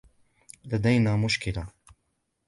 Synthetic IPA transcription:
lad̪ajnaːmʊʃkɪla

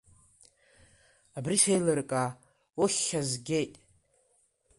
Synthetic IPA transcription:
abrisejlɨrkʼa | oχʲːazɡʲejtʼ

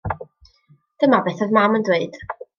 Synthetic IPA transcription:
d̥əmabeθɔðmaməndweɨd̥

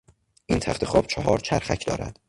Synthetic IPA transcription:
ʔiːnt̪ʰæχt̪ʰexɒːb̥̚t͡ʃʰɒɦɒːɾt͡ʃʰæɾxæcʰd̪ɒ̰ːɾæ̰d̪̥

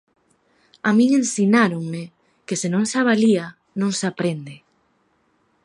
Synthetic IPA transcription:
amĩŋẽnsinaɾoŋme | kesenõŋsaβ̞alia | nõŋsapɾend̪e

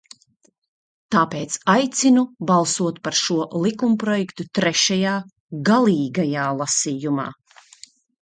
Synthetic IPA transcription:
t̪aːpeːt̪sajt̪sinubalˠsuɔt̪paɾʃuɔlˠikumpɾɔjɛkt̪ut̪ɾɛʃajaː | ɡalˠiːɡajaːlˠasiːjuma̰ː

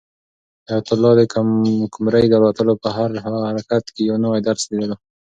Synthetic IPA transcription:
ajat̪ʊlːɑd̪əkakʊmɾajd̪əlwat̪əlopəɦaɾhahaɾakat̪kejɑwnawajd̪aɾsled̪əla

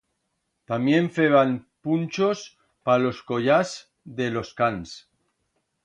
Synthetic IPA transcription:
t̪amje̞ɱfeβanpunt͡ʃo̞s | palo̞sko̞ʎas | ðe̞lo̞skans

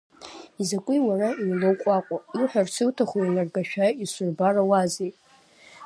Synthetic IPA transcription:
izakʷʼʊjwarainlowkʷʼaqʷʼaiħʷᶣarsʰɨwtʰaχʷujnarɡaʃᶣaisʷʊrbarawazejtʼ

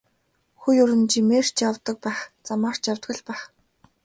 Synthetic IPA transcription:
xujʊɾɘ̆nt͡ɕimeːr̥t͡ɕjawt̪ə̆k̚pæːχt͡samaːr̥t͡ɕjawt̪̚ɡə̆ɮpæːχ

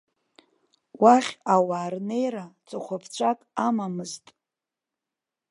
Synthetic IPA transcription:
waχʲawaːrne̞jɾat͡sʼɨχʷapʰt͡ɕʷʰakʼamamɨztʼ

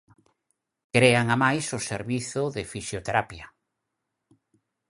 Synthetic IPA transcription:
kɾeaŋamajsʊseɾβiθʊðɪfisjot̪eɾapjɐ

